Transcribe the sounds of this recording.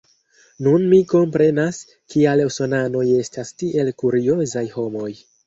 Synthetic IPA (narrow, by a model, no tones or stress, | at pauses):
nunmiko̞mpɾe̞nas | kialeso̞nano̞je̞stastiʔe̞lkuɾio̞zajho̞mo̞j